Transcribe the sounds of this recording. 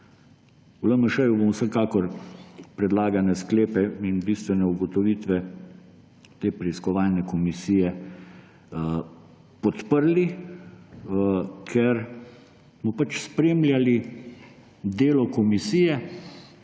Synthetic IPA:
uləməʃɛjubomwsəkaːkɔɾpɾɛd̪laːɡanɛskleːpɛinbist̪ʋɛnɛuɡɔt̪ɔʋiːt̪ʋɛ | t̪eːpɾɛiskɔʋaːlnɛkɔmisiːjɛ | pɔt̪pəɾli | kʰɛɾ | smɔpat͡ʃspɾeːmlʲjali | d̪eːlɔkɔmisiːjɛ

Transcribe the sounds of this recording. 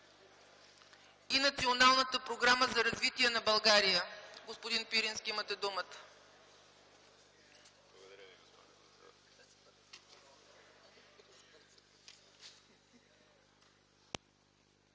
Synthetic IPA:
inɐt̪sionalˠnət̪əpɾoɡɾaməzɐɾɐzvit̪iɛnɐbɐlˠɡaɾijəɡospod̪inpiɾinskʲiimət̪ɛd̪umət̪ə̥ | blˠɡod̪ɐɾviɡospinpɾsd̪

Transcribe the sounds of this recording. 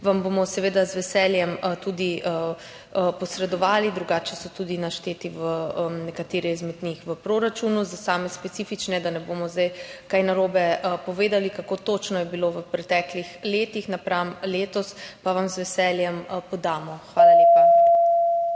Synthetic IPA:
ʋambomɔsɛʋeːd̪azʋɛsɛljɛmt̪ud̪i | pɔsɾɛd̪ɔʋaːlid̪ɾuɡaːt͡ʃɛsɔt̪ud̪inaʃt̪eːt̪iʋənɛkat̪eːɾɛizmɛd̪nixʋəpɾoːɾat͡ʃunuzasaːmɛspɛt̪sifit͡ʃnɛɛd̪anɛbomɔzd̪ajkajnaɾoːbɛpɔʋeːd̪alikakoːt̪oːt͡ʃnɔjɛbiloʋəpɾɛt̪ɛːklixleːt̪ixnapɾamleːt̪ɔspaʋamzʋɛsɛːljɛmpɔd̪aːmɔxʋaːlaleːpa

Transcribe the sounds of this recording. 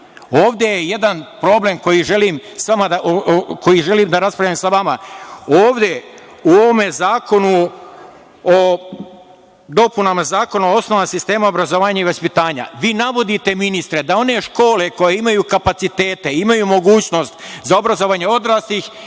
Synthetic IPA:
oːʋd̪je̞jeje̞d̪anpɾo̞ble̞mko̞jiʒe̞liːmsʋamad̪aʔko̞jiʒe̞liːmd̪aɾaspɾaʎamsaʋamaoːʋd̪e̞uo̞ʋomezaːko̞nu | o | d̪o̞punamazaːko̞naoo̞snoʋasist̪e̞ːmaobɾazoʋaːɲaiʋaspit̪aːɲa̰ʋiːnaʋo̞d̪it̪e̞minist̪ɾe̞d̪ao̞ne̞ʃko̞ːle̞ko̞jeimajuːkapat̪sit̪e̞ːt̪e̞imajumo̞ɡuːt͡ɕno̞st̪zaobɾazo̞ʋaːɲeo̞d̪ɾaːst̪ix

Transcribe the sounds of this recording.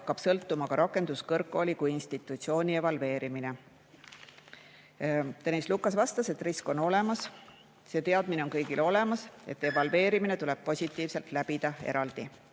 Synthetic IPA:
ɑkːˑɑb̥sɤlt̪ːˑumɑkɑɾʔɑkːˑe̞nd̪̥uskɤrkːˑolʲikujinst̪it̪ːˑut̪sio̞ːnʲievɑlve̞ːɾimine̞ | t̪enʲislukːˑɑsvɑst̪ɑse̞t̪ːˑrisko̞no̞le̞mɑs | se̞t̪e̞ɑd̪̥mineo̞nkɤ̞jɡ̥ilo̞le̞mɑse̞t̪ːˑe̞vɑlve̞ːɾimine̞t̪ule̞b̥̚po̞sʲit̪ˑːiːvse̞lt̪læb̥id̪̥ɑe̞̰ɾɑld̪̥i

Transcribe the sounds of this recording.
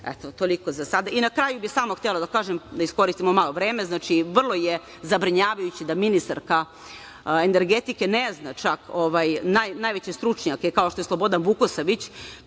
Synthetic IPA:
ɛ̰t̪ot̪oliko̞zasad̪ainakɾajubixsaːmoxt̪elˠod̪akaːʒemd̪aisko̞ɾist̪imo̞malˠo̞ʋɾeːmeznaːt͡ʃiʋr̩lˠo̞je | zabɾiɲaːʋajut͡ɕid̪aminist̪a̰ɾka | eneɾɡet̪ike̞neznat͡ʃakoʋajnajnaːjʋet͡ɕest̪ɾut͡ʂɲake̞kao̞ʃt̪o̞jeslˠobo̞d̪anʋukosaʋit͡ɕ

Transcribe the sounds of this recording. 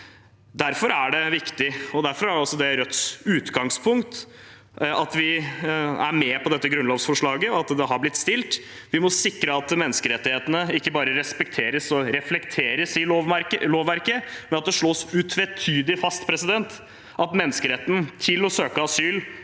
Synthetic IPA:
d̪æɾfɔɾæɖɛʋɪkt̪ɪɔd̪æɾfɔɾæɖɛɔsːɔd̪ɛɾœt̪sʉːt̪ɡɑŋspʰʊŋkt̪ | ɑt̪ʋɪ | æ̰ɾmɛpʰɔd̪ɛt̪ːəɡɾʉnloːʋsfɔʂɭɑːɡəɔɑt̪d̪ɛɦɑɾblɪt̪st̪ɪlt̪ | ʋɪmɔsɪkɾəɑt̪mɛnːəskəɾɛt̪ːɪheːt̪ənəɪkːəbɑːɾəɾɛspɛkt̪ʰeːɾəsɔɾɛflɛkt̪ʰeːɾəsɪʋɾloːʋːæɾkəmɛnɑt̪̚d̪ɛʂɭoːsʉːt̪ʰʋɛt̪ʰyːd̪ɪfɑst̪pʰɾɛsɪd̪ɛnt̪ | ʔɑt̪mɛnːəskəɾɛt̪ːən̩t̪ʰɪlɔsøːkəɑsyːl

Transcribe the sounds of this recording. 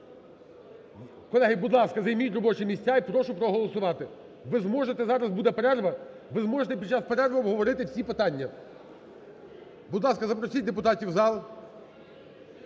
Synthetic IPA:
kɔlˠɛɦɪbud̪lˠɑskɐzɐjmʲijʊtʲrɔbɔt͡ʃɪmʲisʲt͡sʲaipɾɔʃʊpɾɔɦɔlˠɔsʊʋɑt̪ɪ | ʋɪzmɔʒet̪ɛzɑɾɐzbud̪ɛpeɾɛrʋɐ | ʋɪzmɔʒet̪ɛpʲid̪t͡ʃɑspeɾɛrʋɐwɦɔʋɔɾɪt̪ɪwsʲipɪt̪ɑnʲːɐ | bud̪lˠɑskɐzɐpɾɔsʲit̚ʲd̪ep̬ʊt̪ɑtʲiwzɑlˠ

